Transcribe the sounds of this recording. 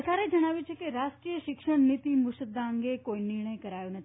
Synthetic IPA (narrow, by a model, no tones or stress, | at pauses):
ət̪aɾed͡ʒəɽ̃aʋjut͡ʃʰekeɾaʃʈɾijəʃɪkʃəɳnit̪imʊʃəd̪ʱːaə̃ŋɡekoinɪɾɳ̃əjkəɾajõnət̪ʰi